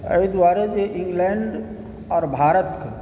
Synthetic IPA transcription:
ɐ̰ə̰id̪waːɾed͡ʒeʔɪ̃ŋɡlɛɳɖ | ɔːɾbʱaːɾət̪ka

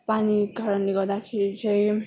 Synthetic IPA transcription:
paniɡʱʌɾʌnleɡʌɾd̪akʰeɾit͡sʌj

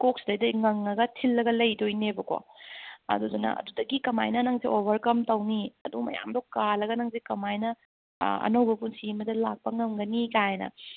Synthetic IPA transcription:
kok̚sdɐjdɐŋɐŋːɐɡɐtʰilːɐɡɐlɐjdojnebɐko̰ɐ̰dudunɐ̰ʔɐ̰dudɐɡikɐma̰jnɐnɐŋsiʔobʱɐɾkɐmtɐwniɐdumɐ̰ja̰mdokalɐɡɐnɐŋzikɐmajnɐ | ɐ̰nɐwbɐpunsimɐdɐlak̚pɐŋɐmɡɐnikajenɐ̰

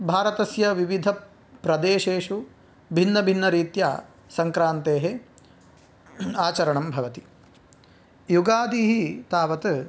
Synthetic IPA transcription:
bʱaːɾɐt̪ɐsjɐʋiʋid̪ʱɐ | pɾɐd̪eːʃeːʂu | bʱinːɐbʱinːɐɾiːt̪jaː | sɐŋkɾaːnt̪eːɦe | aːt͡ʃɐɾɐɳɐmbʱɐʋɐt̪i̥ | juɡaːd̪iːɦit̪aːʋɐt̪ɨ

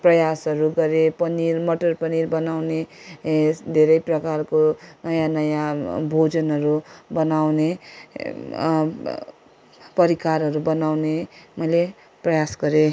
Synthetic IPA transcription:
prʌjasɦʌɾuɡʌɾepʌnirmʌʈʌrpʌnirbʌnawne | d̪ʱeɾʌjprʌkarkonʌjãnʌjãbʱod͡zʌnɦʌɾubʌnawne | pʌɾikarɦʌɾubʌnawnemʌjle | prʌjasɡʌɾe

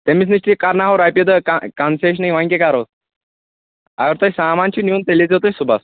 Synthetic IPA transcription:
t̪emiːt͡s̬niɕʈ̪ikaɾnaɦoɾajped̪əkakanseɕ̬najʋãj̃ŋkekaɾos | a̰jəɾt̪əsamãnt͡ɕiːnjuːnt̪elid͡zot̪əjsubʱa̰s

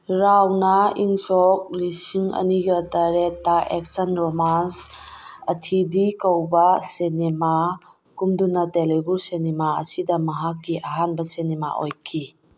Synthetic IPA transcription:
ɾawnɐiŋsɔk̚lisiŋɐ̰niɡɐtɐɾetːaʔek̚sɐnɾomansɐtʰidikɐwbɐsenima | kumdunɐtelebuɾsenimaɐ̰sidɐmɐɦakːiʔɐɦanbɐsenima̰ʔo̰jkʰi

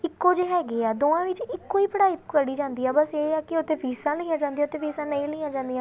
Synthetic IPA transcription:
ɪkːoːd͡ʒeːɦɛːɡeːaːd̪oːãːʋɪt͡ʃɪkːoːiːpəɽaːɪpkəɽiːd͡ʒãːnd̪iːɛːbəseːaːkɪʊt̪ẽːpiːsãːlɪãːd͡ʒãːnd̪iːaːʊt̪ẽːpʰiːsãːnəĩːləãːd͡ʒãːnd̪ijãː

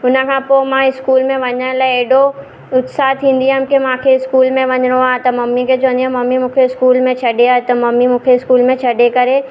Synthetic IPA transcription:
ʊnə̆kʰãːpomãɪskuːlmẽʋɐɲə̃laeːɖo | ʊt̪saːt̪ʰĩːnd̪iamkemãːkʰeɪskuːlmẽʋɐɲɾaːɦet̪ɐmɐmːiket͡ʃõːnd̪ijãmɐmːimũːkʰeɪskuːlmẽt͡ʃʰɐɖeaːɦet̪ɐmɐmːimũːkʰeɪskuːlmẽt͡ʃʰɐɖekɐɾe

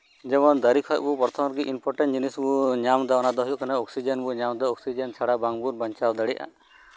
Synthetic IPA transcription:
d͡ʒɛbɔnd̪əɾikʰɔjʔ̚bupɔɾt̪ʰɔmɔɾɡiʔimpʰɔɾʈɛnʈd͡ʒinisbuɲamd̪ɔɔnad̪ɔɦɔjuʔkanaɔksid͡ʒɛnbuɲamd̪ɔɔksid͡ʒɛnt͡ʃʰaɽabaŋbuɾbaɲt͡ʃʰald̪əɽɛʔa̰

